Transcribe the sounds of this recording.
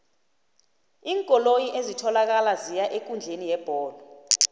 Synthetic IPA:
iːŋkʼɔlojiʔezitʰɔlak̬alazijaʔek̬ʼund͡ɮʱenijɛb̥ʱɔːlɔ

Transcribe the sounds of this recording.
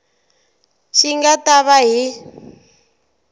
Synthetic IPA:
ʃiŋɡataβaɦi

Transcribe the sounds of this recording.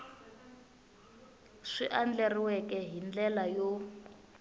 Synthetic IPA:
ʂiʔand͡ɮɛriwɛkɛɦind͡ɮɛlajo

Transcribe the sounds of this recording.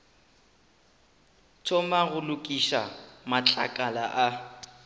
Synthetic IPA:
t͡ʃʰɔmaɣʊlʊkʼiʃa̰mat͡ɬʼa̰kʼalaʔa

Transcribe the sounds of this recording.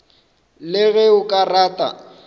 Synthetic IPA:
lɪɣɛʊkʼaraːtʼa̰

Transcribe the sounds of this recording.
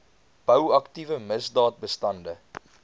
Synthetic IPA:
b̥əwɐktivəməzdɑːt̚bəstɐndə

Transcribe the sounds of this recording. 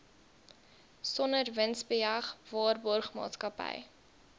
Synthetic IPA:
sɔnərvənsbəjɐχvɑːrbɔrχmɑ̰ːtskɐpə̰j

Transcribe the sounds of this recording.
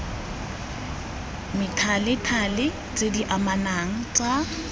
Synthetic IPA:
mɪtʰalɪtʰalɪ | t͡sʼediʔamanaŋ̩t͡sʼa

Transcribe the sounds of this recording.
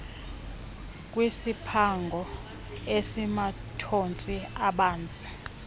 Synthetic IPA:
kʼwisipʰaŋɡʱɔ | esimatʰont͡sʼiaɓaːnd͡zʼi̥

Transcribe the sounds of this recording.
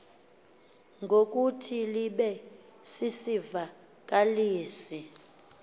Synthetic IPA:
ŋɡʱok̬ʼutʰiliɓɛ | sisiva | k̬ʼaliːsi

